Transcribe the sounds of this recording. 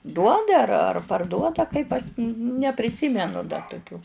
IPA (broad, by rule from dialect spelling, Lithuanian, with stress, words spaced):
ˈduɔdɐ ɐr ɐr pɐrˈduɔdɐ kɐɪp ɐʃ nʲɛ nʲɛpʲrʲɪˈsʲiːmʲɛnʊ dɐ toːˈkʲuː